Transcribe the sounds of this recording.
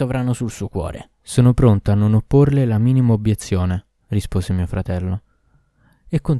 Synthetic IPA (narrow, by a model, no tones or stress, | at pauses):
ovɾanosulsuokwɔ̰ːɾʔḛ | soːnopɾont̪oanːonopːorlelamiːnimaobjet̪sːjoːne | rispoːzemiːofɾat̪ɛlːo | ekːon